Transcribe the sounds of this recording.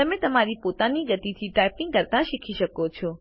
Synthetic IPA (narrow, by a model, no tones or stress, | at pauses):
tt̪ɐmẽt̪ɐmaɾipoːt̪aniɡɐt̪it̪ʰiʈaːɪpɪ̃ŋɡkɐɾt̪ãʃɪkʰiʃəkot͡ʃʰoː